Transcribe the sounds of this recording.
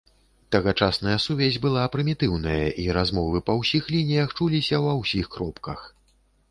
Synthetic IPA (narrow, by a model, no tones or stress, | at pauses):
t̪ɐɣat͡ʂasnɐjɐsuvʲɛzʲbɨlˠapɾɨmʲit̪ɨwnɐjɐ̰ʔiɾazmɔvɨpɐwsʲixlʲinʲijɐxt͡ʂulʲisʲɐwɐwsʲixkɾɔpkɐx